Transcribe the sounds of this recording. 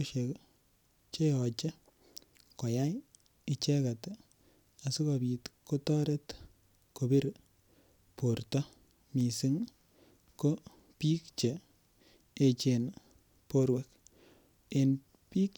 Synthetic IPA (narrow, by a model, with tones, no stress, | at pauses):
ʃek | t͡ʃe˦ɔ˨t͡ʃɛ˦ | kɔ˨jaj | i˨t͡ʃɛ˦ka˨t | a˨su˦ka˨bi˨tko˦tɔ˦ɾe˦t | ko˨bi˦ɾ | poɾtɔ˦ | mi˨sɪ˦ŋ | ko˦ | pi˦kt͡ʃe˨ | e˨t͡ʃen | po˦ɾwɛ˦k̚ | e˨n | pi˦k